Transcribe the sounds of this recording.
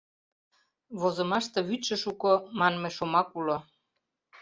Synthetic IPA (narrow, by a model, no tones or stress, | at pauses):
βozŏmɑʃt̪ɤ̆βyt̪ʃə̆ʃukomɑnmeʃomɑkulo